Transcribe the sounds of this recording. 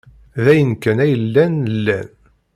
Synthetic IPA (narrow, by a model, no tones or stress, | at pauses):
ðæjənkːænæjəlːænəlːæn